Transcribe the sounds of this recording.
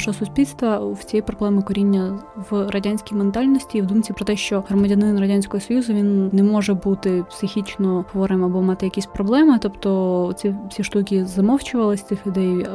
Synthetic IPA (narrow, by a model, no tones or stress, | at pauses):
ʒɦɔsʊsʲpʲilʲst̪ʋɐwt͡sʲijɛjpɾɔblˠɛmɪkɔɾʲinʲːɐʋrɐdʲanʲsʲkʲijment̪ɑlʲnɔsʲtʲiːʋwd̪umt͡sʲipɾɔt̪ɛʃt͡ʃɔɦɾɔmɐdʲɐnɪnrɐdʲanʲsʲkɔɦɔsɔjuzʊʋʲinnɛmɔʒɛbut̪ɪpsɪxʲit͡ʃnɔɦɔʋɔɾɪmɐbɔmɑt̪ɪjɐkʲisʲpɾɔblˠɛmɪt̪ɔpt̪ɔt͡sʲifsʲiʃt̪uk̬ʲizɐmɔwt͡ʃʊʋɐlˠɪsʲt̪ɪxlʲʊd̪ɛj